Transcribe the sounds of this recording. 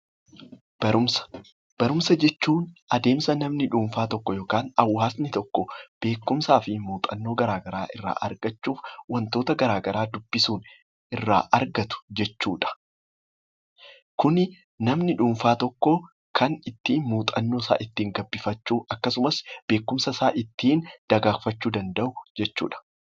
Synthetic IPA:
b̥ɐɾʊmɐ̥ | b̥ɐɾʊmsɐd͡ʒɛt͡ʃːuːnʔɐd̪e̞ːmsɐnɐmnɪᶑuːɱfaːt̪ɔkːɔjo̞ːkaːnɐwːaːsnɪt̪ɔkːɔb̥e̞ːkːʊmsaːfɪmuːt̪ʼɐnːo̞ːɡɐɾaːɡɐɾaːʔɪrːa̰ːʔɐɾɡɐt͡ʃːuːfwɐnt̪o̞ːt̪ɐɡɐɾaːɡɐɾaːd̪ʊb̥ːɪsuːn | ʔɪrːa̰ːʔɐɾɡɐt̪ʊ̥d͡ʒɛt͡ʃːuːᶑɐ̥ | kʊnɪ | nɐmnɪᶑuːɱfaːt̪ɔkːɔ | kʰɐnɪt̪ːiːnmuːt̪ʼɐnːoːsa̰ːʔɪt̪ːiːŋɡɐbːɪfɐt͡ʃːuːʔɐkːɐsʊmɐsb̥e̞ːkːʊmsɐsaːʔɪt̪ːiːnd̪̥ɐɡaːfɐt͡ʃːuːd̪ɐnd̪ɐʔʊd͡ʒɛt͡ʃːṵːᶑɐ̥

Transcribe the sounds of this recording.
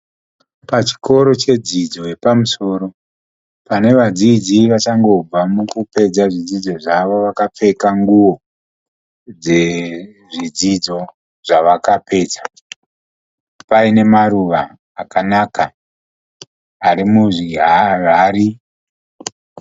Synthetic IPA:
pat͡ʃi̥ko̞ɾo̞t͡ʃe̞d͡zid͡zo̞je̞pamuso̞ːɾo̞ | pane̞ʋad͡zid͡ziʋat͡ʃaŋɡo̞b͡vamukupe̞d͡zaʐid͡zid͡zo̞ʐaʋo̞ʋakap͡fe̞kaŋɡuwo̞ | d͡ze̞ | ʐid͡zid͡zo̞ | ʐ̥aʋakape̞ːd͡zḁ | paine̞maɾuʋaː | kanaka | aɾimuʐiɦaraːɾi

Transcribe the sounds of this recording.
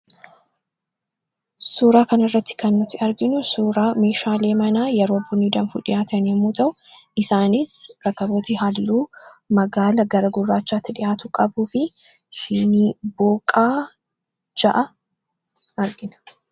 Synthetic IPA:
suːɾaːkɐnɐrːɐt̪ːɪ̥kɐnːʊt̪ːɪɐɾɡɪnʊsuːɾaːmeːʃaːle̞ːmɐnaːjɛɾoːbːʊnːid̪ɐnfṵːᶑɪjaːt̪ɐnɛmuːt̪ɐʔʊ | ʔɪsaːnɪsɾɐkːɐboːt̪iːɦalːuːmɐɡaːlɐɡɐɾɐɡʊrːaːt͡ʃːaːt̪ːɪᶑɪjaːt̪ʊkʼɐbuːfɪ | ʃɪniːboːkʼaː | d͡ʒɐʔɐ | ɐɾɡɪnɐ̥

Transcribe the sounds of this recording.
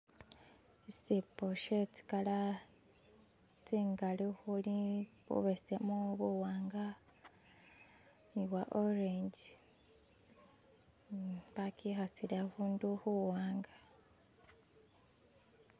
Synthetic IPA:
esipoʃeti̥kala | t͡siːŋɡalixuliβṵβesemuβuwaːŋɡa | niwaʔoɾeɲɟi | βakixasilahuːnduhuwaːŋɡa

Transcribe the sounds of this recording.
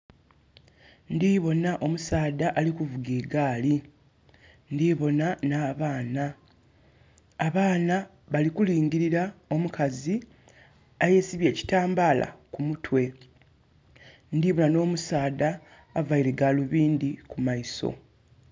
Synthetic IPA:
ndiːβo̞naʔo̞musaːdaʔalikuvuɡeːɡaːli | ndiːβo̞nanaːβaːna | βaːna | βalikuliːŋɟiɾiɾao̞mukʰazi | aje̞siβje̞ːci̥taːmbaːla̰kumutʰwe̞ | ndiːβo̞nano̞ːmusaːd̪aː | vaiɾe̞ɡaluβiːndikumaiso̞̰

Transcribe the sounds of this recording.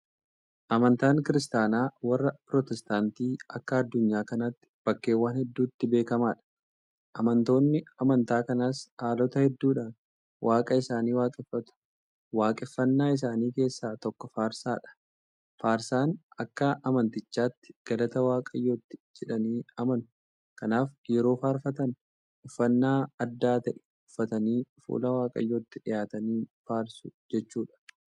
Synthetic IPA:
ʔɐmɐnt̪aːŋkɪɾɪst̪aːnaːwɐrːɐpɾɔt̪ɛst̪aːnt̪iːɐ̰kːɐɐd̪ːʊɲːaːkɐnɐt̪ːɪ̥b̥ɐkːe̞ːwaːnhɛd̪ːuːɪt̪ːɪbe̞ːkɐmaːᶑɐ̥ | ʔɐmɐnt̪o̞ːnːɪɐmɐnt̪aːkɐnashaːlɔt̪ɐhɛd̪ːuːᶑaːn | wʔaːkʼɐɪsaːniːwaːkʼɪfːɐt̪ʊ̥ | waːkʼɪfːɐnːaːɪs̬aːniːke̞ːsːaːt̪ɔkːɔfaːɾsaːᶑɐ̥ | faːɾsaːnɐkːɐʔɐmɐnt̪ɪt͡ʃːaːt̪ːɪ̥ɡ̥ɐlɐt̪ɐwaːkʼɐjːo̞ːt̪ːɪ̥d͡ʒɛᶑɐniːɐmɐnʊ | kɐnaːfjɛɾo̞ːfaːɾfɐt̪ɐn | ɪfːɐnːaːɐd̪ːaːt̪ɐʔɛ | ʊfːɐt̪ɐniːfṵːlɐwaːkʼɐ̰jːoːt̪ːɪᶑɪjaːt̪ɐniːfaːɾsʊd͡ʒɛt͡ʃːuːᶑɐ̥

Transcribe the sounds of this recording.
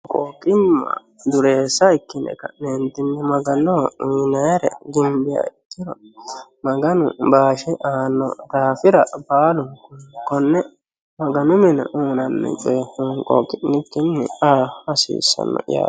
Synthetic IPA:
kʼoːkʼɪmːɐ̰ | d̪ʊɾeːsːɐɪkːɪnɛ̰kɐneːnt̪ːɪnːɪmɐɡɐnɔiːnɐjɾɛ̰ɡɪmbɪja̰ɪkːɪɾɔmɐɡɐnʊ̰baːʃɛʔaːnːɔ̰d̪aːfɪɾɐbaːlʊŋʊkɔnːɛ | mɐɡɐnʊmɛnɐ̰ʔuːnɐnːɛ̰t͡ʃʼeŋkʼɔ̰ːkʼɪnːɪkːɪnːɛaːɐsḭːsːɐ̰nːɔ̰ja̰ː

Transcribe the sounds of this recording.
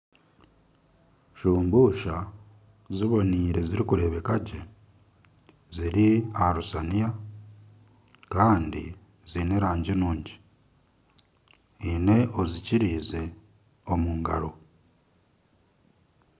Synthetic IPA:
ʃuːmbuʃa | ziβo̞niːɾe̞ziɾikuɾe̞βe̞kaɟe̞ | ziɾiaɾusanija | kaːndḭ | zine̞ɾaːɲɟinuːɲɟi̥ | ine̞ʔo̞ziciɾiːze̞ | o̞muːŋɡaɾo̞

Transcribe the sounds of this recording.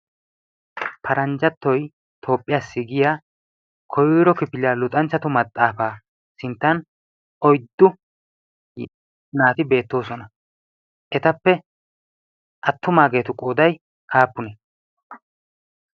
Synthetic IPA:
pʰɐɾʔɐnd͡ʒɐt̪ːɔj | t̪ʰo̞ːpʼːɪjaːsːɪɡɪjaː | kʰɔjɾɔkɪpɪlɪaːlʊt̪ʼɐnt͡ʃːɐt̪ʊmɐt̪ʼːaːfaː | sɪnt̪ːɐn | ɔjd̪ːʊ | naːt̪ɪbe̞ːt̪ːo̞ːsɔnɐ | ʔɛt̪ɐpːɛ | ʔɐt̪ːʊmaːɡe̞ːt̪ʊkʼoːd̪ɐj | ʔaːpːʊnɛ

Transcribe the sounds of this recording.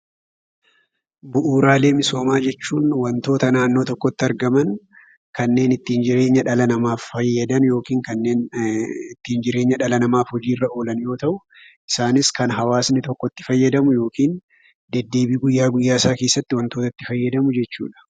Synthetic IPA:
bʊʔuːɾaːle̞ːmɪso̞ːmaːd͡ʒɛt͡ʃːuːnwɐnt̪o̞ːt̪ɐnaːnːo̞ːt̪ɔkːɔt̪ːɪɐɾɡɐmɐn | kɐnːe̞ːnɪt̪ːiːnd͡ʒɪɾe̞ːɲːɐᶑɐlɐnɐmaːfːɐjːɐd̪ɐnjo̞ːkiːŋkɐnːe̞ːnɪt̪ːiːnd͡ʒɪɾe̞ːɲːɐᶑɐlɐnɐmaːfhɔd͡ʒiːrːɐʔo̞ːlɐnjo̞ːt̪ɐʔʊ | ʔɪsaːnɪskɐnɦɐwaːsnɪt̪ɔkːɔt̪ːɪ̥fɐjːɐd̪ɐmʊjo̞ːkiːn | d̪ɛd̪ːe̞ːbiːɡʊjːaːɡʊjːaːsaːke̞ːsːɐt̪ːɪwɐnt̪oːt̪ɐt̪ːɪfɐjːɐd̪ɐmʊd͡ʒɛt͡ʃːṵːᶑɐ̥

